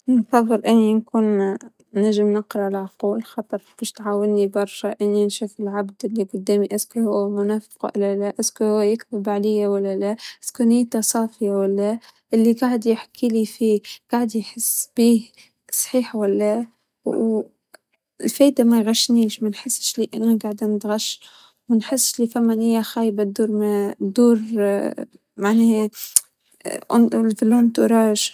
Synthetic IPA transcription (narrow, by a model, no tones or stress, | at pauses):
nfɑðˤːɨlʔɪnːinkuːn | næʒɪmnəqɾɑʕlʕquːlxɑt̪ˤɨɾˤb̥iːʃt̪ʕaːwɪnːibɑɾˤʃaʔɪnːinʃuːfɪlʕabd̪ɪlːiqʊd̪ːæːmiʔaskuhʊwmʊnæfqʔɪ̰lːælæʔɪskuhʊwːjɪkθɪbʕalɪjːawalːælæʔskunɪjːt̪asˤɑːfɪjawalːaʔɪlːiɡaʕd̪jɪħkʰiːlifiːɡ̥aʕd̪jħɪsb̥iː | sˤħiːħwalːa | lfeːjd̪amajɣaʃːniːʃmanħɪsːʃliʔɪnːaɡaʕd̪anɪt̪ɣaʃː | mɪnħɪsːʃlifamːanhɪjːaxaːjbat̪̚d̪uːɾˤmad̪uːɾ | maʕneː | ʔʊ̰nlfɪlːont̪uɾˤɑːʒ